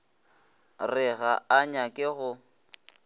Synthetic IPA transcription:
rɪɣaaɲakʼɪɣʊ

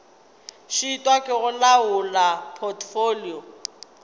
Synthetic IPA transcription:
ʃiːtʼwakʼɛɣʊlaʊlapʼʰɔtʰʼfoliɔ

